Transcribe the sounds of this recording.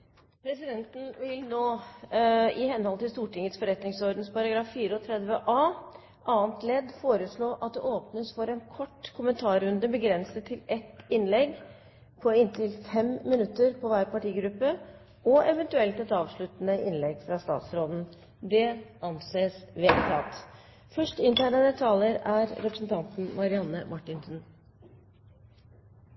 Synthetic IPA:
pʰɾɛsɪd̪ɛnt̪n̩ʋɪlnoː | ɪhɛnhɔlt̪ɪlst̪uːʈɪŋːət̪sfɔɾɛt̪nɪŋsɔɾɖd̪n̩spʰɑɾɑɡɾɑːfːiːɾəɔt̪ʰɾɛd̪ʋəʔɑː | ʔɑːnt̪lɛd̪ːfoːɾəsɭoːʔɑt̪̚d̪ɛʔoːpnəsfɔɾɛnkʰɔʈːkʰʊmənt̪ʰɑːɾʉnd̪əbəɡɾɛnsət̪ʰɪlɛt̪ɪnlɛɡ | pʰɔɪnt̪ʰɪlfɛmːɪnʉt̪ːəɾpʰɔʋæːɾpɑʈiːɡɾʉpːə | ɔɛʋɛnt̪ʉɛlt̪ɛt̪ɑːʋʂɭʉt̪nəʔɪnlɛɡfɾɑst̪ɑ̰ːt̪sɾoːd̪n̩ | d̪ɛʔɑnseːsʋeːlt̪ʰɑ̰ːt̪ | fœʂʈɪnt̪ʰæːnəd̪ət̪ʰɑːləɾæɾɾɛpɾəsn̩t̪ʰɑnt̪n̩mɑɾɪɑnːəmʔɑʈːɪnsn̩

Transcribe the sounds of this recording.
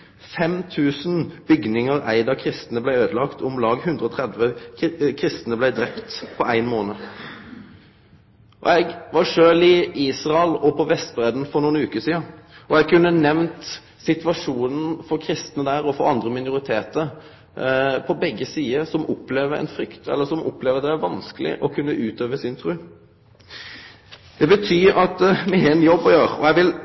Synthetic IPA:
fɛmt̪ʰʉːsnbʏɡnɪŋəɾæ̰ɪd̪ɑkʰɾɪst̪nəblæɪøːd̪əlɑkt̪ʰʊmlɑːɡhʉnd̪ɾəɔt̪ʰʁɛd̪ʋəkʰɾɪst̪ənəblæɪd̪ɾɛpt̪pʰɔæɪnmoːnə | ʔɔ̰ɛɡʋɑʂøːlɪiːsʁɑlɔpʰɔʋɛst̪bɾɛːd̪nfɔɾnuːənʉːkəsiːəɔɛɡ̚kʰʉnːənɛʋnt̪ | sɪt̪ʋɑʂuːnən̩fɔɾkʰɾɪst̪nəd̪æːɾɔfɔɾɑnd̪ɾəmɪnʊɾɪt̪ʰeːt̪əɾ | pʰɔbɛɡːəsiːəsɔmʊpleːʋəɾɛ̰ɪnfɾʏkt̪ʰɛ̰lːəsɔmʔɔ̰pleːʋəɾɑt̪d̪ɛæɾʋɑnskəlɪ̰ʔɔkʰʉnːəʔʉːt̪øːʋəsɪnt̪ʰɾʉː | d̪̥ɛbət̪ʰyːɾɑt̪mɪɦɛɛnjɔbːɔjøːɾɔɛɡʋɪl

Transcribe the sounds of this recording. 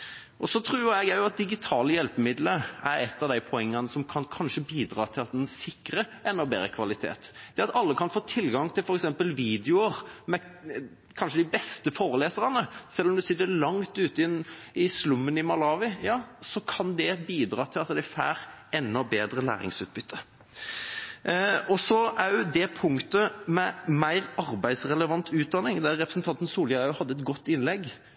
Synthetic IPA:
ʔɔsɔt̪ʰɾʉːɾɛɡjæɪjʊɑt̪̚d̪ɪɡɪt̪ʰɑːləjɛlpəmɪd̪ləæɾɛt̪ːɑʋd̪æɪpʰɔɛŋːənəsɔmkʰɑnkʰɑnʂəbiːd̪ɾɑːt̪ʰɪlɑt̪̚sɪkːɾəʔɛnːɔbḛːɾəkʰʋɑlɪt̪ʰḛːt̪d̪̥ɛɑt̪ɑlːəkʰɑnfoːt̪ʰɪlːɡɑŋt̪ʰɪlfɔɾɛksɛmpəlʋiːd̪ɛʊəʁmɛ | kʰɑnʂəd̪ɪbɛst̪əfoːɾəleːsəɾɑnəsɛlːɔmd̪ʉsɪd̪əlɑŋt̪ʉːt̪əɪnɪslʉmːənɪmɑlɑːʋɪjɑːsɔkʰɑnd̪ɛbiːd̪ɾɑːt̪ʰɪlɑt̪d̪ɛæfæ̰ːɾɛnːɔbeːd̪ɾəlæ̰ːɾɪ̰ŋsʉːt̪̚bʏt̪ʰːə | ɔsɔæjʉd̪ɛpʰʊŋkt̪əmɛmæɪɾɑɾbæɪd̪sɾɛləʋɑnt̪ʰʉːt̪̚d̪ɑnɪŋd̪ɛæʁɾɛpɾəsn̩t̪ʰɑnt̪n̩suːljɑɑʉhɑd̪ːəɛt̪ɡɔt̪ːɪnlɛɡ

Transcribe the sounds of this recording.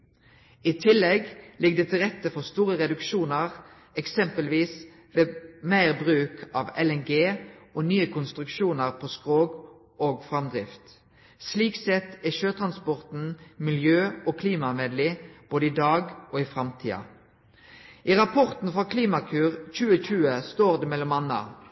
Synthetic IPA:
iːt̪ʰɪlːɛɡlɪɡ̚d̪eːt̪ʰɪlʁɛt̪ːəfɔʁst̪uːʁəʁɛd̪ʉkʃuːnəʁ | ɛksɛmpəlʋiːs | ʋeːmæɪʁbʁʉːkʰɑʋɛlɛnɡeːʔoːnyːəkʰʊnst̪ʁʉkʃuːnəʁpʰoːskʁoːɡ | oːɡfʁɑmd̪ʁɪft̪ | sliːksɛt̪ːæʃøːt̪ʰʁɑnspɔʁt̪n̩mɪljøːoːkʰliːmɑmeːd̪lɪb̥oːd̪əɪd̪ɑːɡoːɪfʁɑmt̪ʰḭːɑ̰ | ʔiːʁɑpʰɔʁt̪n̩fʁɑkʰliːmɑkʰʉːʁc͡çʉːəçʉːəst̪oːʁd̪ɛmɛlɔmɑnɑ̰

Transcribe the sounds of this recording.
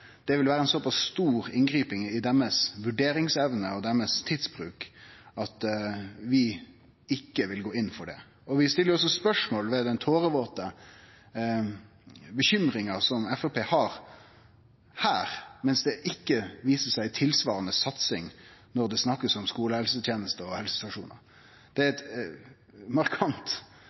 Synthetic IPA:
d̪̥ɛʋɪlʋæːɾəɛnsɔpɑsːt̪uːɾɪŋɡɾiːpɪŋɪd̪ɛmːəsʋʉɖeːɾɪŋsɛʋnəɔd̪ɛmːəst̪ʰid̪sb̥ɾʉːkɑt̪ʋɪ | ɪkːəʋɪlɡoːɪnːfɔɖɛ̰ | ɔʋɪst̪ɪlːəɾɔs̬ɔspœʂmoːlʋɛd̪ɛnt̪ʰoːɾəʋoːt̪ə | bəɕʏmɾɪŋɑsɔmɛfɔpʰeːhɑɾ | hæːɾmɛnsd̪ɛʔɪkːəʋiːsəsæɪt̪ʰɪlsʋɑːɾɑnəsɑt̪sɪŋnɔɾd̪ɛsnɑkːəsɔmskuːləhɛlsət̪ʰjeːnəst̪əɔhɛlsə̥sɑʂṵːnə̰ɾ | d̪̥ɛæɾɛt̪ | mɑɾkʰɑnt̪

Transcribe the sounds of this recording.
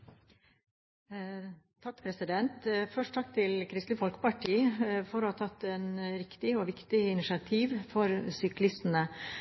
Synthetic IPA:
t̪ʰɑkːpʰɾɛsɪd̪ɛnt̪fœʂʈt̪ʰɑkːt̪ʰɪlkʰɾɪst̪lɪfɔlkə̥pɑʈʰiːfɔɾohɑːt̪ʰɑt̪ːɛnɾɪkt̪ɪɔːʋɪkt̪ɪɪnɪʃɑt̪ʰiːʋfɔɾsʏklɪst̪nə

